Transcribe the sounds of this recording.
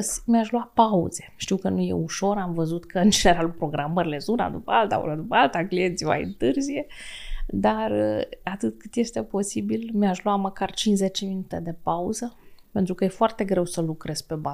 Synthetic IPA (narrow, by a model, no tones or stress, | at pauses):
smiaʃluapaṵz̥e̞ʃt̪iwkənuje̞̰uʃo̞ɾamvəzut̪kəɨnd͡ʒene̞ɾalupɾo̞ɡɾaməɾile̞zuna̰d̪upəalt̪a̰ṵlad̪upəalt̪aklient̪sima̰jɨ̰nt̪ɨrzije̞ | d̪arat̪ɨt̪kɨt̪je̞st̪e̞po̞sibilmiaʃlwaməkart͡ʃinsze̞t͡ʃeminut̪e̞d̪e̞pauzəpe̞nt̪ɾukəje̞foart̪e̞ɡɾe̞wsəlukɾe̞z̥pe̞ba